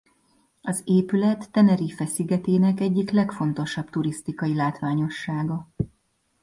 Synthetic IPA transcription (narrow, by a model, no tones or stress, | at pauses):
ɒzeːpylɛt̪ːɛnɛɾifɛsiɡɛt̪eːnɛkɛɟːiklɛkfo̞nt̪o̞ʃɒbt̪uɾist̪ikɒjilaːt̪ʋaːɲo̞ʃːaːɡɒ